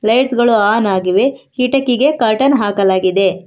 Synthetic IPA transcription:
lɐjʈsɡɐɭuaːnaːɡiʋe̞hiʈɐkːiɡe̞kɐɾʈɐnɦaːkɐlaːɡid̪e̞

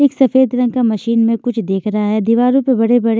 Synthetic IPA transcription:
eːksɐfeːd̪ɾɐ̃ŋkamɐʃiːnmẽkʊt͡ʃʰd̪eːkʰɾɐɦaɦɛːd̪iʋaːɾõpebɐɽebɐɽe

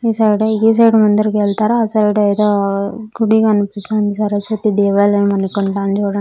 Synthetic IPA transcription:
isɐjɖɡis̬ɐjɖmɐnd̪ɐɾkeːɭt̪aːɾɐɐsɐjɖɐjd̪oːɡuɽiɡɐnupisand̪isɐɾɐsʋɐt̪id̪eːʋɐːlemɐnikːoɳʈaːnd͡ʒoːɽɐ

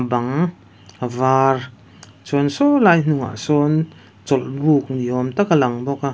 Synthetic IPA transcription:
baŋ | avar | t͡sɔnsɔlajn̥uŋa̰ʔsɔn | t͡sɔlbuk̚niɔmt̪akalaŋbɔka

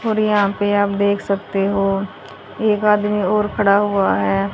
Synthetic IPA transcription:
oːɾjɐɦãpeaːp̚d̪eːkʰsɐkt̪eɦoː | eːkaːd̪miɔːɾkʰɐɽaɦʊaɦɛː

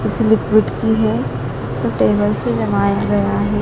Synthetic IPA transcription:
pɪsɪlɪkɾɪʈkiɦɛ | sɐbʈeːbəlsed͡ʒɐmaːjaɡɐjaɦɛ

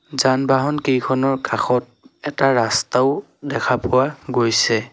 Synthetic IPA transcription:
zanbaɦɔnkejkʰɔnɔɹkaxɔt̚ɛtaɹastaʊ | dɛkʰapʊwaɡojsɛ

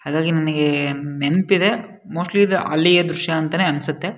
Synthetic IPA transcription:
haːɡaːɡinɐnɐɡe̞nenpid̪e̞ | moːsʈliːd̪ʔɐ̰lːijɐd̪ɾʊʃjɐɐnt̪ɐneːɐnsut̪ːe̞

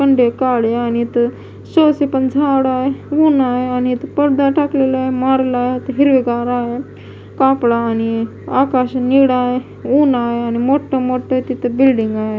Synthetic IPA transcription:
kəɳɖekaɽeanit̪ə | sosepənd͡zʱaɽaɦeunajeanit̪əpəɽd̪aʈaklelaɦemaɾlajet̪əɦiɾʋiɡaɾaɦe | kapɽaːni | akaɕniɽaɦe | unaɦeanimoʈːəmoʈːət̪it̪əbilɖiŋɡaɦe

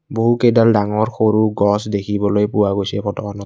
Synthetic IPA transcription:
boɦukedaldaŋɔɹxoɹuɡɔsdekʰibɔlojpuwaɡojsɛpʰɔtɔkɔnɔ

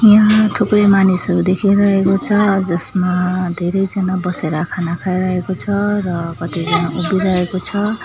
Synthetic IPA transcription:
jãt̪ʰoprʌjmanisʌɾud̪ekʰiɾʌɦekot͡sʰʌd͡zʌsmad̪ʱeɾʌjd͡zʌnabʌseɾʌkʰanakʰajɾʌɦekot͡sʰʌrʌkʌt̪id͡zʌnaʔubiɾʌɦekot͡sʰʌ

